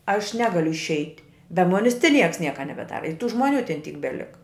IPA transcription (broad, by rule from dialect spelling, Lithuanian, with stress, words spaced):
ɐʃ ˈnʲæːɡɐlʲʊ ɪʃʲˈɛɪtʲ bʲɛ ˈmoːnʲɪs ˈtʲɪ ˈnʲiɛks ˈnʲiɛkɐ nʲɛbʲɛˈdɑːrɐ ɪ tuː ˈʒmoːˌnʲuː tʲɛn ˈtʲiːk bʲɛˈlʲɪkɐ